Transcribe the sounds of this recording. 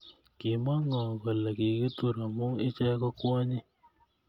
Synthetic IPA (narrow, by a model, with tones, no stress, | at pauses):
kɪ˨ma˦ŋɔ˨kɔ˨la˨ki˨ki˦tu˦˨ɾa˨mu˦ŋɪ˦t͡ʃɛ˦kɔ˦kwɔ˦ɲi˦